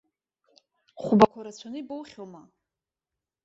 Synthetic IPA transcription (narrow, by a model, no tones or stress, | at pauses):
χʷubakʷʰaɾat͡sʷʰanɨbowχʲoma